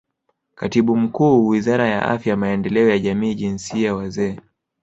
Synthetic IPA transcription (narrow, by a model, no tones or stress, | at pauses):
katiɓum̩kuːwizaɾaja̰ʔa̰fjamaɛndɛlɛɔjaʄamiːʄinsiawazɛː